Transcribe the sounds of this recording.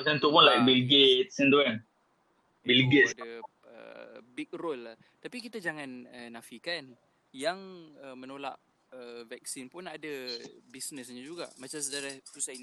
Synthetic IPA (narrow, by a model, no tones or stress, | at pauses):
asə̃nt̪uʔpʊnlajk̚bilɡet̪̚sɛnd̪uɛn | bilɡetdə | ə̰bik̚rolːa | t̪apikit̪ad͡ʒaŋanənafikan | jaŋəmənola̰ʔ | əvɛk̚sinpʊnadabisnəsɲad͡ʒuɡa̰ʔmat͡ʃams̬ədaɾasusan